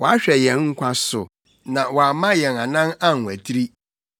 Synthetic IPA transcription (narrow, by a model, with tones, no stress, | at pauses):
wɔ˨a˦ɕᶣɛ˨jɛ̃˨nŋ̩˦kʷʰa˦sʊ˨ | nã˨wɔ˨a˨mã˦jɛ˨na˨nã˦na˦˨ŋ˨æ˨tʰɾi˦